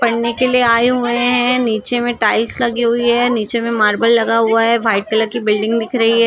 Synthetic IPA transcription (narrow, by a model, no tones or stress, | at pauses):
pɐɽnekelieaːeɦʊeɦɛ̃niːt͡ʃemẽʈaːɪlslɐɡiɦʊiɦɛniːt͡ʃemẽmaːɾbəlːɐɡaɦʊaɦɛʋʱaːɪʈ̚kɐləɾkibɪlɖɪ̃ŋɡd̪ɪkʰɾɐɦiɦɛː